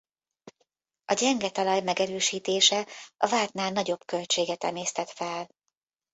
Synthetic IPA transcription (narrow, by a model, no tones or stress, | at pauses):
ɒɟɛŋɡɛt̪ɒlɒjmɛɡɛɾøːʃiːt̪eːʃɛɒvaːlt̪naːlnɒɟo̞bkø̞lt͡ʃeːɡɛt̪ɛmeːst̪ɛt̪fɛl